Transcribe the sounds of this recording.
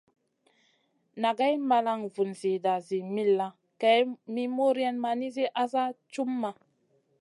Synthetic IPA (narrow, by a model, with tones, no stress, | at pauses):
na˨ɡa˦jma˧la˦ŋvu˨nzi˨da˨zi˨mi˦lːa˦ | kɛ˨jmi˦mo˦ɾi˦ɛ˦nma˨ni˦zi˦ʔa˦za˦t͡ʃu˦mːa˨